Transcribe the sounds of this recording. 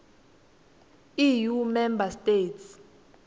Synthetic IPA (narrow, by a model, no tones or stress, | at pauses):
ijumɛmbasteːts